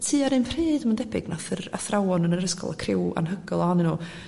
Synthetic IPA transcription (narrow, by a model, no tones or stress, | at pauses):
tʰɨːaɾɨnpʰriːdəməndɛbɪɡnaθəra̰θrawɔnənəɾəskɔ̰lˠakʰrɪwa̰nɦəɡɔlˠɔanɨnuː